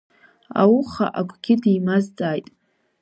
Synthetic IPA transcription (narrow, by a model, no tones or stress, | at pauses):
a̰wuχa̰ʔaɡʷʰʼɡʲɪdijmazd͡zʼaːjtʼ